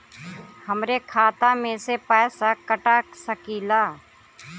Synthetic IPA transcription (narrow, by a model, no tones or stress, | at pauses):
həmɾekʰaːt̪amẽsepɛːsakəʈaːksəkiːlaː